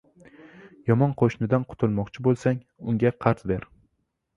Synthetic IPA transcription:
jɒmɒnqʰoʃnɪd̪anqʰʊ̥t̪ʰʊlˠmɒqt͡ʃʰɪbolˠsaŋ | ʊŋɡʲaqʰɑɾt̪beɾ

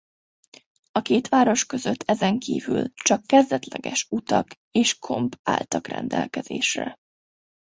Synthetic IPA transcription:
ɒkeːt̪ʋaːɾo̞ʃkø̞zøt̪ʰːɛzɛŋkʰḭːvylt͡ʃɒkːɛzd̪ɛt̪lɛɡɛ̰ʃut̪ɒk | eːʃkʰo̞mpa̰ːlt̪ɒkrɛ̰nd̪ɛlkɛz̥ḛːʃrɛ̰

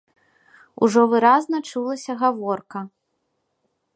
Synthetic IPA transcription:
ṵʐɔvɨɾaznɐt͡ʂulˠɐsʲɐɣavɔrkɐ

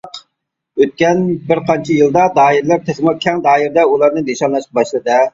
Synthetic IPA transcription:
q | øt̪̚kʲɛnbɪɾqʰɑnt͡ʃʰijɨlˠd̪ɑd̪ɑːɪɾlæɾt̪ʰɛsmukʲʰɛŋd̪ɑːiɾɪd̪ɛulˠɑɾnɨneʃɑnlˠɑʃqɑbɑʃlˠɨd̪ɨ

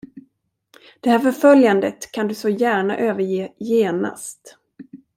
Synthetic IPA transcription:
d̪̥ɛhæːɾfœɾfœljand̪ət̪kʰand̪ɵsɔjæːɳa̰ʔøːvəɾjeːjeːna̰st̪

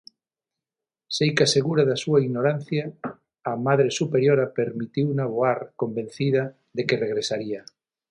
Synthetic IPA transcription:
sejkaseɣuɾaðasuaiɣnoɾan̟θjaː | maðɾesupeɾjoɾapeɾmit̪iwunaβoaɾkombẽn̟θiðɐ | ðekereɣɾesaɾia

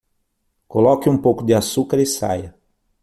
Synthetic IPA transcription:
kolɔkɪũmpowkʊd̪ɪasukaɾɪsa̰jɐ

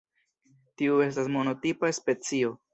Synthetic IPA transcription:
tiue̞stasmo̞no̞t̪ipaspe̞t͡sio̞

